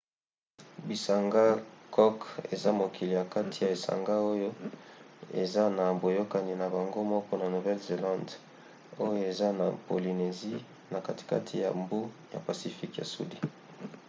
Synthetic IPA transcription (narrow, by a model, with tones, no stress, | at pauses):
bi˨sa˨ŋɡa˦kʰɔ˦kḛ˨za˦mo˨kʰi˨li˨ja˨ka˦tʰi˨ja˨e˨sa̰˨ŋɡa˦o˦jo˦ | ḛ˨za˦na˨bo˨jo˦ka˨ni˨na˨ba˨ŋɡo˦mɔ˦kɔ˦na˨no˨vɛ˦lze˨lã˦nd | o˦jo˦e˨za˦na˨po˨li˨ne˨zi˦ | na˨ka˦ti̥˨ka̰˦tʰi˨ja̰˨mbu˦ja̰˨pa˨si˨fi˦kja̰˨sṵ˦di˨